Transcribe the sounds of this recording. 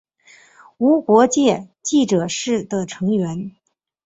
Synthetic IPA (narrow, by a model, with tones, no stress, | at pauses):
u˧˥kwɔ˧˥t͡ɕjɛ˥˧t͡ɕi˥˩ʈ͡ʂɤ˨˩ʂɻ̩˥˩d̪ə˩ʈ͡ʂʰɤ˧˥ŋɥɛ˧˥n